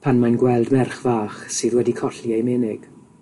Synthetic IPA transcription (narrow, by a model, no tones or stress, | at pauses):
pʰanmanɡwɛlˠdmɛrχvaːχsɨːðwɛdikʰɔɬiejmɪnɪɡ̥